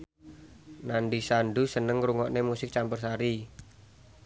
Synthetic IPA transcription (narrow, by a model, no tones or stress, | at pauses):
nanɖisanɖusənəŋruŋɔʔnemusɪk̚t͡ʃampərs̬aɾi